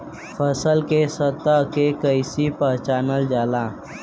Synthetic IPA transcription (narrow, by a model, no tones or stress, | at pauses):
pʰəsəlkesət̪əkekəɪsipəɦt͡ʃaːnəld͡ʒaːla